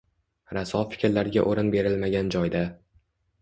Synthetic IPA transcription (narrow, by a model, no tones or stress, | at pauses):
ɾasɒfɪ̥kʲɾlaɾɪɡʲaʔoɾɪnbe̞ɾɪlmaɡʲand͡ʒɒjd̪a